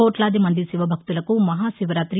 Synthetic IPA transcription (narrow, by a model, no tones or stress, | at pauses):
oːʈlaːd̪imɐnd̪isiʋɐbʱɐk̚t̪ulɐkumɐɦaːʃiʋɐɾaːt̪ɾi